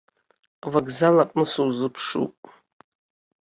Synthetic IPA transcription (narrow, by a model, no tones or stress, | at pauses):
vaɡzalapʼnɨsuwzɨpʰʂṵpʼ